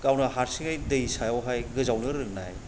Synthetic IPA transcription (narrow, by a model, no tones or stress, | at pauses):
kawnahaɾsiŋajdəjsajawɦajɡɯzawnɯɾɯŋna̰j